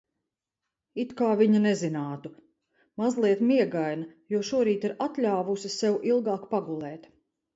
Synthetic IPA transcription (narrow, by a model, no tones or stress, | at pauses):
it̪kaːviɲanɛzinaːt̪u | mazlˠiɛt̪miɛɡajnɐjuɔʃuɔɾiːt̪iɾat̪ʎʲaːvusisɛwʔilˠɡɑːkpaɡulˠɛːt̪